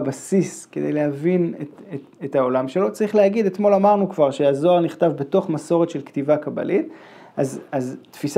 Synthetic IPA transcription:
basiske̞d̪ejlehavinete | etao̞lamʃe̞lo̞t͡saʁiχleaɡid̪etmo̞lamaʁnukvaʁʃeazo̞aʁniχtavbe̞to̞χmaso̞ʁetʃelktivakaba̰lʔit | azaztfis

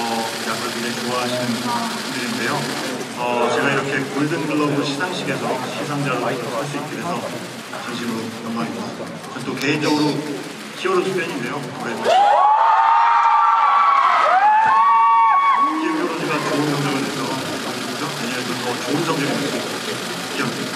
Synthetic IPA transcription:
ʌ | jakɯʌkiet͡ɕoaɦaɕʰinɯnʰ | diɾinde̞jo | ʌt͡ɕe̞ɡaiɾʌkʰe̞koɭdɯnɡɯɭːʌdoɕʰisʰaŋɕʰiɡe̞sʰʌɕʰis̬ʰaŋd͡ʑaɾohaɭs͈uit̚k͈ɯɾe̞sʰʌ | t͡ɕʌŋɕʰimɯɾoɯn͈ʌŋmaia | ant͈oke̞ind͡ʑʌɡɯɾo | ɕʰiʌɾot͡ɕʰup͈jʌɲinde̞jo | uɾe | a | d͡ʑeʌɾʌɲiɡat͡ɕoɯnd͡ʑʌŋɡeɡɯɭʰesʰʌ | aɡod͡ʑoeɲʌmeʌntotʌt͡ɕoɯnd͡ʑʌŋɡeɡɯɭdes͈uit͈̚ | ijʌŋd͡ʑe

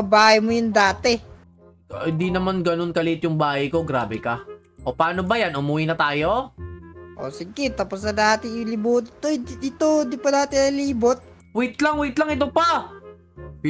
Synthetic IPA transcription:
ɐbaːhɐjmojʊnd̪aːt̪ɛ | hɪnd̪inɐmanɡɐno̞nkɐlɪʔɪt̪jʊŋbaːhɐjko̞ɡɾaːbɛkɐ | ʔopaːno̞bɐjanʔʊmʊwinɐt̪aːjo | ʔo̰sɪɡɪt̪aːposnɐd̪aːt̪ɪɪlɪbuːt̪ɪt̪od̪ɪt̪od̪ipɐnaːt̪ɪnɐliːbot̪̚ | wit̪laŋwit̪laŋɪt̪̬opa

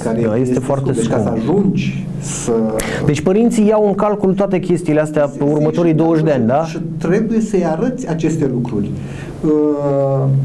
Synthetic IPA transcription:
kaɾeajest̪e̞foart̪e̞sekkuəaʒund͡ʒʲ | səd̪e̞t͡ʃʲpəɾint̪sijawɨŋkalkult̪oat̪e̞kʲe̞st̪iːleast̪eapeurmət̪o̞ɾijd̪o̞wəʃ̬ʲd̪eanʲd̪aʃit̪ɾe̞buje̞səjaɾət̪sʲat͡ʃe̞st̪e̞lukɾurʲ | ə

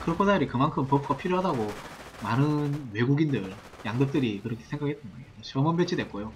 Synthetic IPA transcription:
kɯɾkʰosaɾikɯmankʰɯmpʌp̚ʰɡapʰiɾjoɦadaɡomanɯnwe̞ɡuɡindɯɭ | jaŋdʌk̚t͈ɯɾikɯɾʌkʰe̥sʰeŋɡakiɦet͈ʰɯnɡʌet͡ɕʌmʌnbet͡ɕʰidwe̞t̚k͈ojo

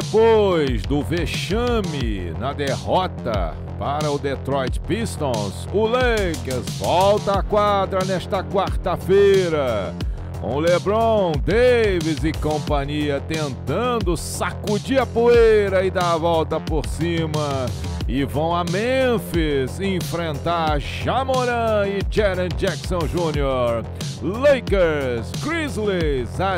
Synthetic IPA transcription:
epojzd̪ʊveʃɐ̃mɪ | nɐd̪ehɔt̪ɐ̰ | paɾɐʊd̪et̪ɾɔjt͡ʃpist̪õsʊlejkezvɔwt̪aːkwad̪ɾɐnɛst̪ɐkwaɾt̪ɐfejɾɐ | ṵ̃lebɾõw̃d̪evɪzɪkõpɐ̃ɲiɐt̪ẽnt̪ɐ̃d̪ʊsakud͡ʒiɾɐpoejɾɐɪd̪aɾvɔwt̪ɐpoɾsĩmɐ | ɪvɐ̃w̃ɐmẽfizẽfɾẽnt̪aɾʒamoɾɐ̃ɪd͡ʒɛɾɐ̃d͡ʒɛksõw̃ʒũnioɾ | lejkeɾsɡɾizliza

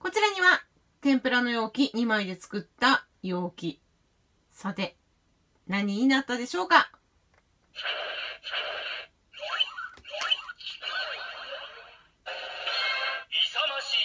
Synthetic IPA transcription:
ko̞t͡ɕiɾaɲ̟iβa | t̪ẽ̞mpɯ̟ɾano̞jo̞ːkʲiɲ̟imaid̪e̞t͡sɨ̥kɯ̟t̪ːa | jo̞ːkʲi | sat̪e̞ | naɲ̟iːnat̪ːad̪e̞ɕo̞ːka

